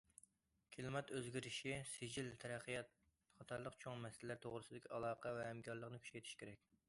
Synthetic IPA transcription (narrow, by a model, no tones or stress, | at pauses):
kʲʰelˠɨmɛt̪øzɡʲiɾɪʃisɪd͡ʒilt̪ʰɛɾæqːəjɑt̪̚ | χɑt̪ʰɑɾlˠəqt͡ʃʰoŋmɛsɪlɪlːæɾt̪ʰoʁɾɨsɨd̪ɪkʲiɑlˠɑːqʰɑvɛhɛmkʰʲɑɾlˠəqnɨkʲʰy̥t͡ʃɛjt̪ʰi̥ʃkʲʰeɾɛk̚ʲ